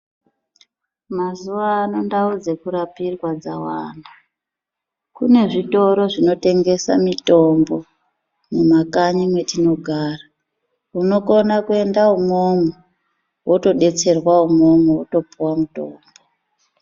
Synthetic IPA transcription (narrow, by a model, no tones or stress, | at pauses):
mazuʋaːno̞ndaud͡zekuɾapirwad͡zawaːnda | kune̞ʐito̞ɾo̞ʐino̞te̞ŋɡe̞sa̰mito̞mbo | mumakaɲimwe̞tino̞ɡʱaːra | uno̞ko̞nakue̞ndaumomo | woto̞ɗe̞t͡se̞rwaumo̞mowoto̞puwamutoːmbo